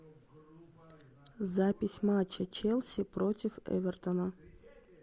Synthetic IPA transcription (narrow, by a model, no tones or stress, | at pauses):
zapʲɪsʲmat͡ʃːɐt͡ʃɛlʲˠsʲipɾotʲɪfɛ̰ʋʲɛrt̪ɔnɐ